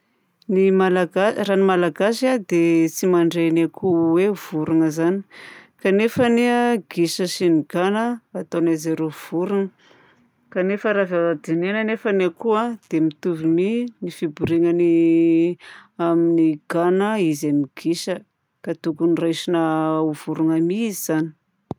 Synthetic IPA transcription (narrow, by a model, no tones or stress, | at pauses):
nimalaɡaranimalaɡasiad̪et͡simaɳɖ͡ʐenakʰuwev̥uɾuŋəzani̥kanefəneɡ̥iʃəsiniɡ̥anəːt̪onezeɾov̥uɾuŋə | kanefəɾavaad̪inenənefənakuad̪̥emit̪uviminifibuɾiŋəni | aminiɡ̥anəizamiɡ̥iʃə | kat̪ukunirajʃinəuv̥uɾuŋamiiziz̥ani̥